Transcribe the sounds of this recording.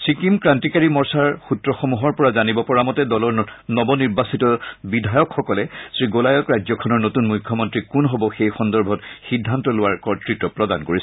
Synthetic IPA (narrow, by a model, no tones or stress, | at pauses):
sɹikimkɹantikaɹimɔɹsaɹxutɹɔxomuɦɔɹpɔɹazanibɔpɔɹamɔtɛdɔlɔɹnɔbɔniɹbasitɔbidʱajɔkxɔkɔlɛsɹiɡolajɔkɹajzɔkʰɔnɔɹnotunmujkʰjɔmɔntɹikunɦobɔxejxɔndɔɹbʱɔtxidʱːantɔlʊwaɹkɔɹtɹitɔpɹɔda̰nkoɹis